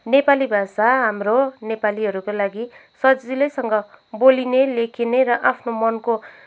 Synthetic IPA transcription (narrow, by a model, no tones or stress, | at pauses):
nepalibʱasaɦamronepaliɦʌɾukolaɡisʌd͡zd͡zilʌsʌŋɡʌ | bolinelekʰineɾʌʔapʰnomʌnko